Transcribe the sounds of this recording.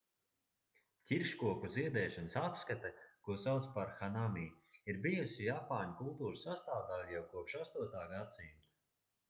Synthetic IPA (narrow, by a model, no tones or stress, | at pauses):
kʲiɾʃkuɔkuziɛd̪ɛːʃansapskat̪akuɔsawt̪spaɾxanamiː | iɾbijusijapaːɲkulˠt̪uːɾsast̪aːvd̪alʲijawkuɔpʃast̪uɔt̪aːɡat̪simt̪